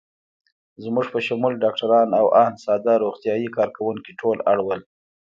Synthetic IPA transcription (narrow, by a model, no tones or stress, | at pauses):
zmuʐpəʃamulɖɑk̚ʈaɾɑnawʔahnsɑd̪ɑɾoɣt̪ijɑjikɑɾkawuŋkiʈʰolaɽwəl